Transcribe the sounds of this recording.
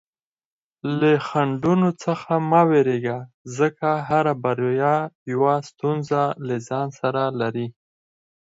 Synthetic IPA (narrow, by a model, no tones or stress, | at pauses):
ləxaɳɖunot͡səxamaweɾeɡa | zəkaɦaɾabaɾjɑjawast̪unzalazɑnsaɾalaɾi